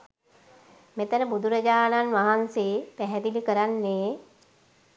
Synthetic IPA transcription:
met̪ənəbud̪uɾəd͡ʒaːnanʋaɦanseːpæɦɛd̪ilikəɾanːeː

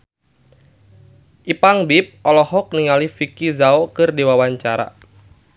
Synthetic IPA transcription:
ʔipaŋbip̚ʔɔlɔhɔk̚niŋalifikizaokɨrdiwawaɲt͡ʃaɾa̰

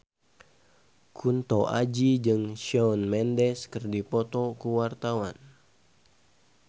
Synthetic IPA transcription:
kʰunt̪ɔʔad͡ʒid͡ʒɨŋʃɔɔnmɛndɛskərdipɔt̪ɔkuwart̪awan

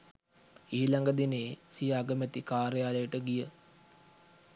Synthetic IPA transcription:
iːlaŋɡəd̪ineːsijaːɡəmet̪ikaːɾejaːləjəʈəɡijə

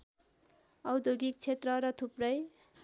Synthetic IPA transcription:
ʌwd̪oɡik̚t͡sʰet̪rʌɾʌt̪ʰuprʌj

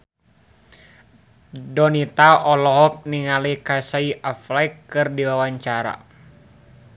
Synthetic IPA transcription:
dɔnit̪aʔɔlɔɦɔk̚niŋalikasaiʔaflajkːɨrdiwawaɲt͡ʃaɾa̰

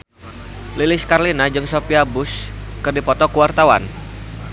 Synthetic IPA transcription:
lilɪskarlinad͡ʒɨŋsopiabʊskɨrdipɔt̪ɔkuwart̪awa̰n

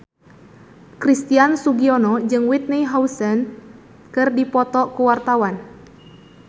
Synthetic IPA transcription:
kɾist̪iansuɡiɔnɔd͡ʒɨŋwit̪̚niɦawsən | kɨrdipɔt̪ɔkuwart̪awan

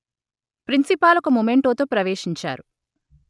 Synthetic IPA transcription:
pɾinsipaːlɐkumumeɳʈoːt̪oːpɾɐʋeːʂiɲt͡ʃa̰ːɾu

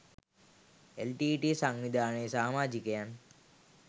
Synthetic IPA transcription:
elʈiʈisɐŋʋid̪ʱaːnɐjsaːmaːd͡ʒikɐjan

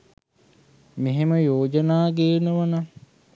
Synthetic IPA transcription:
meɦeməjoːd͡ʒənaːɡeːnəʋana

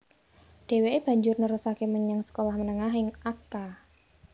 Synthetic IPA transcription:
ɖ̥e̤weeb̥a̤ɲd͡ʒʊrnəɾusakeməɲəŋsə̥kolahmənəŋaɦɪŋaka

